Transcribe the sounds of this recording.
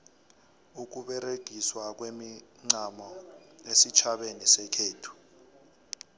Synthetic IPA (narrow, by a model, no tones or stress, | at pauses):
uk̬uɓɛɾeɡ̥ʱiswak̬wemiŋ͡ǀamɔesit͡ʃʰaɓenisɛkʰeːtʰu̥